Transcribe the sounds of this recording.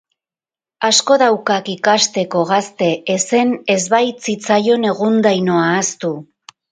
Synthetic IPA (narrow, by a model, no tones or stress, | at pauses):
asko̞ðawkakikast̪e̞ko̞ɣast̪e̞ːse̞ne̞zβajt͡sit͡sajo̞ne̞ɣund̪ajno̞aːst̪u